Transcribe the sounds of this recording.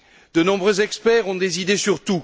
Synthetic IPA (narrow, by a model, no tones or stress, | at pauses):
d̪ənɔ̃bʁøzɛkspɛʁɔ̃d̪ezid̪esyʁt̪u